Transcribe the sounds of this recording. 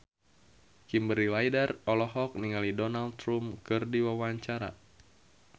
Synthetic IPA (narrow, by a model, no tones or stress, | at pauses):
kimbəɾilajdərɔlɔɦɔk̚niŋalidɔnalt̪ɾumkɨrdiwawaɲt͡ʃaɾa̰